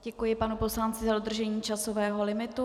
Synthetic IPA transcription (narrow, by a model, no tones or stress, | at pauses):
ɟɛkujɪpanupo̞slant͡sɪzadod̪r̩ʒɛɲiːt͡ʃaso̞vɛːɦo̞lɪmɪt̪u